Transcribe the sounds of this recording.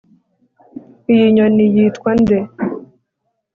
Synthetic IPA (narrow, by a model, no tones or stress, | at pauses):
ijiɲonijitkwande